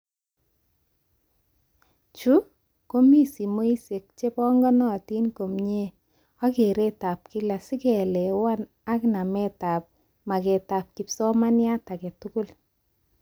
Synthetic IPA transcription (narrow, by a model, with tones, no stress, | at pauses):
t͡ʃu˦ | ko˦mi˦si˨mo˦i˦se˨k̚t͡ʃe˦pɔ˦ŋɡɔ˦nɔ˨ti˦nko˨mɲe˦ | a˦ke˨ɾe˦ta˨p̚ki˦la˨si˦kɛ˨lɛ˨wa˦n | a˦kna˨mɛ˦ta˨p̚ | ma˨kɛ˨ta˨p̚ki˨psɔ˦ma˦nja˦ta˨ke˨tu˦ku˦l